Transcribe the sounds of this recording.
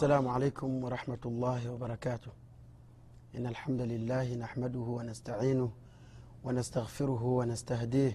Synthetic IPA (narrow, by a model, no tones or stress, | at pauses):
ʔasːalaːmʕalaːkʊmwɑɾˤɑħmat̪ɑlˤːɑːhɪwɑbɑɾˤɑkaːt̪ʊh | ʔɪnːalħamd̪alɪlːaːhɪnaħmad̪ʊhʊwanast̪aʕiːnʊ | wanast̪aɣfɪɾʊɦʊwanast̪ahd̪iː